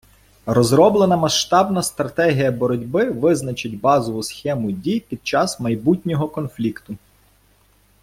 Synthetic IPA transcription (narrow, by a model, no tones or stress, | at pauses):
rɔzɾɔblˠenɐmɐʃt̪ɑbnɐst̪ɾɐt̪ɛɦʲijɐbɔɾɔdʲbɪʋɪznɐt͡ʃɪtʲbɑzɔʋʊsxɛmʊdʲijpʲid̪̥̚t͡ʃɑsmɐjbutʲnʲɔɦɔkɔnflʲikt̪ʊ